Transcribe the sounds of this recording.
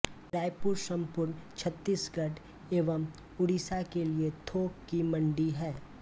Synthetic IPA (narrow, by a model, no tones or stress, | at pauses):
ʈɾaːɪpʊɾsɐ̃mpʊɾnt͡ʃʰɐt̪ːiːsɡɐɖ | eːʋəm | ʊɽisakeliet̪ʰoːkːimɐ̃ɳɖiɦɛː